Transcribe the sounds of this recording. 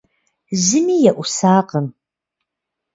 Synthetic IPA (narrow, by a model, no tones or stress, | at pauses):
zɪmiːjɛʔʷʊsaːqəm